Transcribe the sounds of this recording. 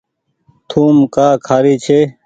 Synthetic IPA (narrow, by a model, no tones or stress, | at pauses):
t̪ʰuːmkaːkʰaːɾiːt͡ɕʰeː